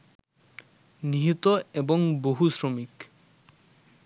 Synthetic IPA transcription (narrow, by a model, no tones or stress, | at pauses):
niɦit̪oeboŋboɦusɾomik